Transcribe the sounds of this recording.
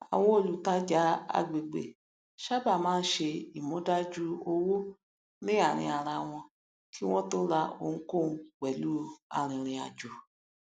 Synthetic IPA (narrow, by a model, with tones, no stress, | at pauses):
a̰˨w̃ɔ̃˧o˨lu˨ta˦d͡ʒa˨˦a̰˧˨ɡ͡be˨ɡ͡bḛ˨ | ʃa˦ba˦˨mãː˨˦n̩˦ʃe˧i˨mõ˨˦da˦d͡ʒu˦o˧wo˦ | nĩ˦a˦˨ɾ̃ĩ˧a˨ɾ̃a˧w̃ɔ̃˧ | kʰi˦w̃ɔ̃˦to˦ɾa˧o̰˧ŋ̩̃˦ko˦˨˧k͡pɛ˨lu˨˦a̰˨ɾ̃ĩ˨ɾ̃ĩ˧a̰˨d͡ʒu˨